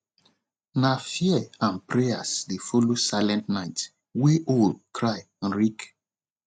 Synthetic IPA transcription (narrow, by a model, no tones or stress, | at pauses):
nafiɛãnpʰɹeasdefɔlosaɪlɛ̃ntnaɪt | weʔold̚kʰɹaj | ãnɹik